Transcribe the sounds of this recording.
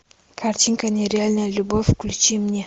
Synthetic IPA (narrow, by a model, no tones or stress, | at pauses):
kʰaɾt͡ʃiŋkaneɾialnalubɔfkulut͡ʃimɲa